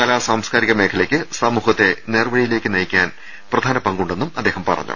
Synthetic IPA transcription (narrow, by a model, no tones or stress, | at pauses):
kɐlaːsaːmskaːɾiɣɐme̞ːkʰɐlɐkʲːɨsɐmuːhɐt̪ːe̞neːrɐbɐɽijile̞ːkʲːɨnɐjikʲːaːn | prɐd̪ʱaːnɐpɐŋɡuɳɖe̞nːumɐd̪ːeːhɐmpɐ̰rɐ̰ɲːṵ